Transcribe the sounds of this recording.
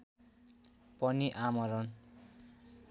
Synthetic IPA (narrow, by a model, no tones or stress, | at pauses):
pʌniʔamʌɾʌn